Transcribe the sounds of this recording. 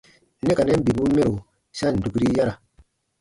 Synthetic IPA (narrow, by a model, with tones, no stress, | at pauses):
ne˦ka˨nɛ˦bi˨bu˦me˦ɾo˨ | sa˦˨n̩˨du˨kɾi˦ja˦ɾa˨